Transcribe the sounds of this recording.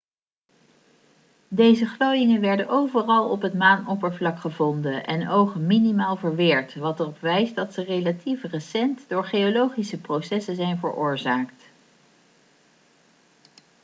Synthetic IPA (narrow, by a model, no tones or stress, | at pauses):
dejzəχlowjɪŋənʋɛɹdənʔowvərɑlˠɔpɦətmaːnɔpəɹvlɑkχəvɔndəʔɛnowχəminimaːlˠvəɹʋɪːɹtʋɑtərɔpʋɛjsdɑtsərejlatifrəsɛntdʊːɹχejolowχisəprowsɛsəzɛjnvəɹʔʊːɹzaːkt